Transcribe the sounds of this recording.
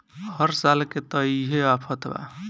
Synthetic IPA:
həɾsalket̪əiɦeapʰət̪ba̰

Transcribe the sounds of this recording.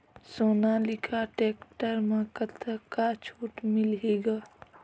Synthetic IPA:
soːnalɪkʰaʈeːkʈəɾmãkət̪ʰəkat͡ʃʰuːʈmɪlɦeːɡaː

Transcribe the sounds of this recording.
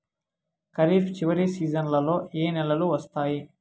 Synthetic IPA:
kɐɾiːpʰt͡ʃiʋɐɽisiːd͡ʒɐnlɐlo̞ːeːnɛlɐluʋɐst̪aːji

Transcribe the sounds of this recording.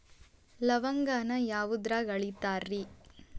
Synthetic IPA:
lɐʋɐŋɡaːnɐjaːʋud̪ɾaːɡɐɭit̪aːɾːi

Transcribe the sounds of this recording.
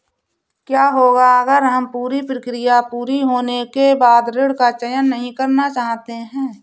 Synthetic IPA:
kjaːɦoːɡaɐɡəɾɦɐmpuːɾipɾəkɾɪjapuːɾiɦoːnekebaːd̪ɾɪɽkat͡ʃəjənːəɦĩkɐɾnat͡ʃaːɦt̪eɦɛ̃ː

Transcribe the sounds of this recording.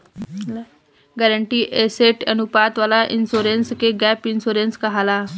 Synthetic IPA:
ɡɛɾəɳʈiːʔeseʈənupat̪ʋalaʔinsuɾenskeɡɛpinsuɾenskaɦala

